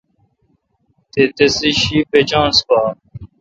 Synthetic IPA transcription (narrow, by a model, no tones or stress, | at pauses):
t̪et̪esiɕipet͡ɕãːnspa